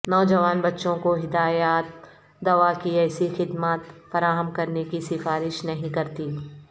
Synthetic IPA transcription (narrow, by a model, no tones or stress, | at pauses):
nɔːd͡ʒɐʋaːnbɐtːʃõkoɦɪd̪aːjaːt̪̚ | d̪ɐʋakiɛːsixɪd̪maːt̪fɐɾaːɦəmkɐɾnekisɪfaːɾɪʃnɐɦĩkɐɾt̪i